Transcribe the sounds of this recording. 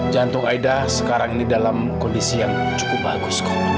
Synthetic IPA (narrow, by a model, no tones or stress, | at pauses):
d͡ʒant̪ʊŋaidasə̥kaɾaŋinidalamkɔndisijaŋ | t͡ʃu̥pʊbaɡʊskḁ